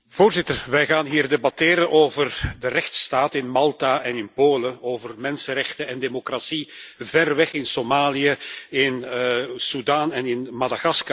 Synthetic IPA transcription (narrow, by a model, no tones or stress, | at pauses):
v̥oːrzɪtərʋɛjɣaːnɦiːrdebɑtɪːɾənʔoːvərdərɛxtstaːtɪnmɑlˠtaʔɛnɪnpoːləoːvərmɛnsəɾɛxtəɛndemokrasivɛrʋɛxɪnsomaːlijəɪnsudaːnɛnɪnmadaɣɑska